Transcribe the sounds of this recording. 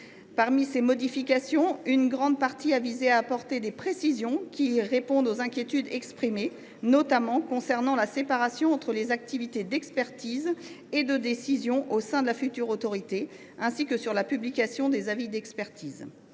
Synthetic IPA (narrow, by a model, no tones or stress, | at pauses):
paʁmisemɔd̪ifikʲasjɔ̃ynɡʁɑ̃d̪̚paʁt̪iavizeaːpɔʁt̪ed̪epχesizjɔ̃kʲiʁepɔ̃d̪ozɛ̃kʲjet̪yd̪ɛkspχime | nɔt̪amɑ̃kɔ̃sɛʁnɑ̃lasepaʁasjɔ̃ɑ̃t̪χəlezak̚t̪ivit̪ed̪ɛkspɛʁt̪iz | ed̪əd̪esizjɔ̃ʔosɛ̃d̪əlafyt̪yʁot̪ɔʁit̪e | ɛ̃sikəsyʁlapyblikʲasjɔ̃d̪ezavid̪ɛkspɛʁt̪iːz